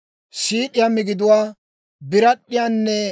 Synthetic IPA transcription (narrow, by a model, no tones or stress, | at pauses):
siːɗɪjamɪɡɪd̪ʊwaː | bɪɾɐɗːɪjaːnːɛ